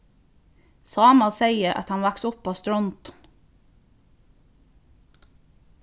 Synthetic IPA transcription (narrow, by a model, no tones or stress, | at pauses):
sɑːmɑseɪəɾʔɑ̰t̪hɑnʋæksʊpoːst̪ɾɔnt̪